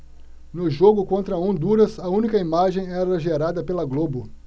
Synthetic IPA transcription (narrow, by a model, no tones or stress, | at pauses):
nʊʒoɡʊkõnt̪ɾɐõnd̪uɾɐzɐũnikɐimaʒẽj̃ɛɾɐʒeɾad̪ɐpelɐɡlobʊ